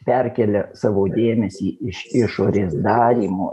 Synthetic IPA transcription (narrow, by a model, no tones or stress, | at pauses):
pʲɛrʲkʲɛlʲɛsɑːʋoːd̪ʲeːmʲɛsʲiːɪʃɪʃoːɾʲeːsd̪ɑːɾʲiːmoː